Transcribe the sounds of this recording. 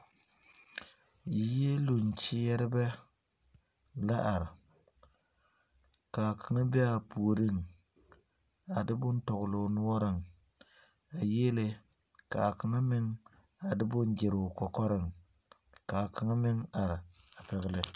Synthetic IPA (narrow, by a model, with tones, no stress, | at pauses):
ji˨je˦lu˨n˨t͡ʃɪ˦jɛ˦ɾɪ˦bɛ˦ | la˦ʔa˨ɾɪ˨ | ka˨kʰa˨ŋa˦bɛ˦a˨pu˨o˨ɾɪ˦˨ŋ | a˨dɪ˦bʊ˦n˦tɔ˨ɡʊ˨lʊ˨nʊ˦ɔ˦ɾɪ˦ŋ | a˨je˦le˦ | ka˨ka˨ŋa˦mɪ˦ŋ | a˨dɪ˦bʊ˦nɡɪ˨ɾʊ˨kɔ˨kɔ˦ɾɪ˨ŋ | ka˨ka˨ŋa˦mɪ˦ŋa˨ɾɪ˨a˨pɛ˨ɣɪ˦lɪ˦